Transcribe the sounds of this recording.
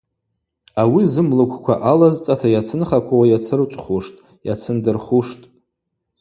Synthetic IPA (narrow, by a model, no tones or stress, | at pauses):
awizɨmlɨkʷʰkʷʰa̰ʔalazt͡sʼatʰajat͡sʰɨnχakʷʰawajat͡sʰɨrt͡ʃʷʼχuʂtʼ | jat͡sʰɨndɨrχuʂtʼ